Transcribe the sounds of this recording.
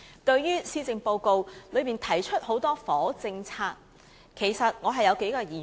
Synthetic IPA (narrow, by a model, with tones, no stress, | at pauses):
t̪ɵ˧ɥjyː˥siː˥t͡sɪ˨˧ŋpo˧wko˧wlɵ˨˧ɥmiː˨˩nt̪ʰɐ˨˩jt͡ʃʰɵ˥t̚ho˨˥wt̪ɔː˥fɔː˨˥t͡sɪ˧ŋt͡sʰaː˧k̚ | kʰe˨˩jsɐ˨t̚ŋɔː˨˧ɦɐ˨jɐ˨˧wke˨˥jkaː˧jiː˨˩